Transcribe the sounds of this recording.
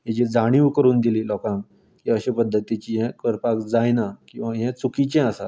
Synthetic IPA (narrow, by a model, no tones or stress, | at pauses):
ɦɛ̃t͡ɕid͡zaɽ̃iʋkəɾuːnd̪iliːlɔkãŋk | kiəɕepəd̪ʱːət̪it͡ɕiɦɛ̃kəɾpakd͡zajnakĩw̃ʋaɦɛ̃t͡sukit͡ɕɛ̃əsa